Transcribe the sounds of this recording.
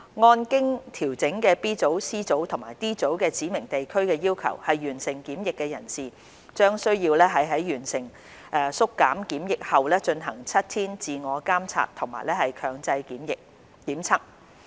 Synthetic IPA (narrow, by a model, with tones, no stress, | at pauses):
ŋɔː˧nkɪ˥ŋt̪ʰiː˨˩wt͡sɪ˨˥ŋkɛː˧piː˥t͡so˨˥wsiː˥t͡so˨˥wt̪ʰʊ˨˩ŋmaː˨˩jt̪iː˥t͡so˨˥wkɛː˧t͡siː˨˥mɪ˨˩ŋt̪e˨jkʰɵ˥ɥkɛː˧jiː˥wkʰɐ̰˨˩whɐ˨jːyː˨˩nsɪ˨˩ŋkiː˨˥mjɪ˨kːɛː˧jɐ̰˨˩nsiː˨ | t͡ʃœː˥ŋsɵ˥ɥjiː˧wlɛː˥ɦɐ˨jɦɐ˨˥jjyː˨˩nsɪ˨˩ŋ | ʔɛː˨˧sʊ˥kːaː˨˥mkiː˨˥mjɪ˨k̚hɐ˨wlɛː˥t͡ʃɵ˧nɦɐ˨˩ŋt͡sʰɐ˥t̚t̪ʰiː˥nt͡siː˧ŋɔː˨˧kaː˥mt͡sʰa̰ː˧t̚t̪ʰʊ˨˩ŋma̰ː˨˩jlɛː˥hɐ˨jkʰœː˨˧ŋt͡sɐ˧jmjɪ˨k̚ː | iː˨˥mt͡sʰɐ˥k̚